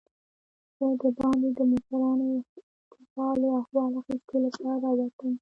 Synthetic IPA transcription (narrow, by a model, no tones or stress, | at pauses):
zəd̪əbɑnd̪ed̪əmʊsaɾɑno | t̪ɪsɑloaxwɑlaxisk̪olapɑɾaɾawat̪əm